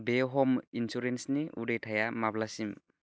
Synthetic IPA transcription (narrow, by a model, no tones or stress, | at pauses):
beɦɔminsuɾensniʔṵdejtʰajamablasim